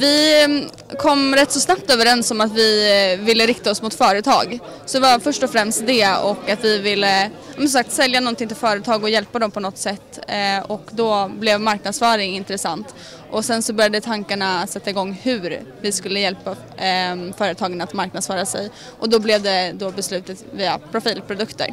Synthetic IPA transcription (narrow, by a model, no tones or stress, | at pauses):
vɪ | kʰɔmːɾɛt̪ːsɔsnap̚t̪øːvəɾɛnsɔmat̪vɪvɪlːəɾɪk̚t̪aɔsmʊt̪fœːɾət̪ʰɑ̰ːɡ | sɔd̪ɛvafœʂʈɔfɾɛmst̪̚d̪ɛɔkːat̪vɪvɪlːə | ɑmɛnsɔmsak̚t̪sɛljanɔnt̪ʰɪŋt̪ʰɪlfœːɾət̪ʰɑːɡɔjɛlpad̪ɔmpʰɔnɔt̪sɛt̪ːɔkd̪ɔblɛvmaɾknad̪sfœːɾɪŋɪnt̪ɾɛsant̪ | ʔɔsɛnsɔbœɾjad̪ət̪ʰaŋkaɳasɛt̪ːaɪɡɔŋːhʉɾvɪskɵlːəjɛlpa | fœːɾət̪ʰɑːɡənat̪maɾknad̪sfœːɾasɛ̰j | ʔɔd̪ɔblɛvd̪ɛd̪ɔbɛslʉ̟ːt̪ət̪viːapʰɾʊfiːlpʰɾʊd̪ɵkt̪ə̰ɾ